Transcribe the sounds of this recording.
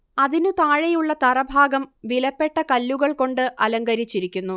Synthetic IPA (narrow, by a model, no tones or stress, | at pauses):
ɐðinut̪aːɻejuɭːɐt̪ɐrɐbʱaːɡɐmʋilɐpːe̞ʈːɐkɐlːuɣɐɭko̞ɳɖɨʔɐlɐŋɡɐɾit͡ɕːiɾikʲːunːu